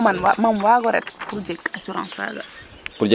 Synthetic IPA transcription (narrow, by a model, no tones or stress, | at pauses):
anmanwaɡɔɾɛ̰t̪pɾud͡ʒɛkasuɾɑ̰̃ːsa̰ɡa̰ | pɾɔd͡ʒɛ